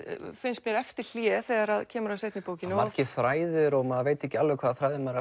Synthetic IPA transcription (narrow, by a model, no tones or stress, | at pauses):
fɪnst̪mjɛɾɛft̪ɪɾ̥l̥jɛθɛɣaɾaðcʰɛːmʏɾasejt̪nɪpoːwcɪnɔmaɾcɪθɾaːjðʏɾɔɣmaðveːjt̪ɛhcɪalvɪkʰvaːðaθɾajðɪmaɾa